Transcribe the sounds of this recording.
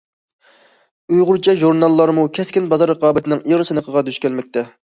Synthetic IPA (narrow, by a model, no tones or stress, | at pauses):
ujʁʊɾt͡ʃʰɛʒuɾnɑlˠːɑɾmukʲʰɛskʲinbɑzɑɾːəqɑːbɪt̪ʰɪnɪŋiʁɨsɨnɨqʰəʁɑd̪yʃkʲɛlmɛk̚ʲt̪ʰɛ